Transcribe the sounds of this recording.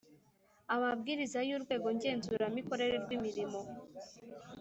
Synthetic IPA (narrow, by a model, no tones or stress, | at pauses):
amabɡiːɾizajuɾɡwe̞ːɡoɲɟe̞ːnzuɾamiko̞ɾe̞ɾeɾɡwimiɾimo̞